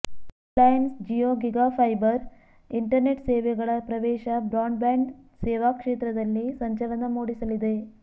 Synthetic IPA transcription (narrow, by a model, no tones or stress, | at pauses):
lɐjnsd͡ʒijoːɡiɡaːpʰɐjbɐɾ | iɳʈɐɾneʈseːʋɛɡɐɭɐpɾɐʋɛːʃɐbɾaːɳɖbaːɳɖseːʋaːkʂeːt̪ɾɐd̪ɐlːisɐɲt͡ʃɐlɐnɐmoːɽisɐlid̪e̞